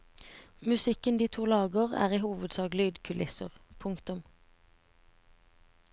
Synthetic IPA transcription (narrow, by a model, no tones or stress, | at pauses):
mʉsɪkənd̪iːt̪ʰuːlɑːɡəʁæ̰ːʁiːhuːʋəd̪sɑːɡlyːd̪kʰʉlɪsəʁpʰʊŋkt̪ʊm